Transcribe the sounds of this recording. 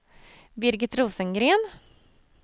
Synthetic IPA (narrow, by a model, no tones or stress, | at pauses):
bɪɾɡɪt̪ɾuːsənɡɾeːn